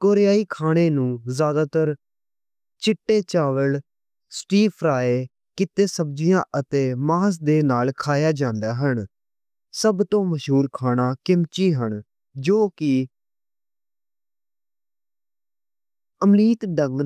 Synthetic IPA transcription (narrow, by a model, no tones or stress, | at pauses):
koːɾjaːiːkʰaːɽ̃eːnũːzjaːd̪aːt̪əɾ | t͡ʃɪʈːeːt͡ʃaːʋəl | sʈiːpʰɾaːeː | kɪt̪eːsəb̚d͡ʒɪjãːʔət̪eːmaːs̬d̪eːnaːlkʰaːjaːd͡ʒãːnd̪aːɦən | səbt̪õːməʃɦuːɾkʰaːñaːkɪmt͡ʃiːɦəɳ | d͡ʒoːkɪ | əmɾiːt̪ɖə̃ŋɡ